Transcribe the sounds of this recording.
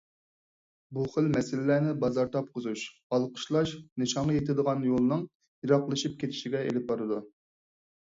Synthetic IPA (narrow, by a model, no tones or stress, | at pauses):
buχəlmɛsɪlɪlænɪbɑzɑɾt̪ʰɑp̚qʰʊzuʃ | ɑlˠqʰə̥ʃlˠɑʃnɨʃɑɴʁɑjet̪ʰɪd̪əʁɑnjolˠɨnɨŋ | jiɾɑqlˠɨʃip̚kʲet̪ʰɪ̥ʃiɡʲɛḛlɪp̚bɑɾɨd̪u